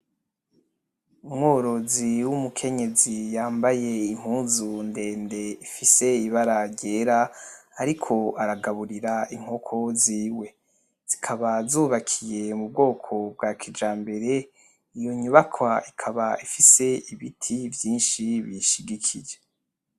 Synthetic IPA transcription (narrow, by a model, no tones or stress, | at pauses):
umŋoːɾo̞ziwumukʰe̞ɲe̞zijaːmbaje̞im̥huːzunde̞ːnde̞ifise̞iβaɾaɾɟe̞ːɾaːɾikʰo̞aɾaɡaβuɾiɾaiŋ̥hokʰo̞ziːwe̞ | z̥ikʰaβazuːβakʰije̞mubɡo̞ːkʰo̞b̚ɡakʰid͡ʒaːmbe̞ɾe̞ | ijo̞ɲuβakʰwaikʰaβaifise̞iβitʰivjiːnʃiβiʃiɡikʰid͡ʒe